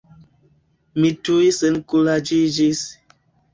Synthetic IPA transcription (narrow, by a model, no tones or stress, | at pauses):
mituisenkulad͡ʒid͡ʒis